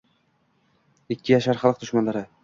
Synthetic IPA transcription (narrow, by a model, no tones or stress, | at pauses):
ɪkʲʰːɪjaʃaɾχɑlˠɨq̚d̪ʊʃmanlaɾɪ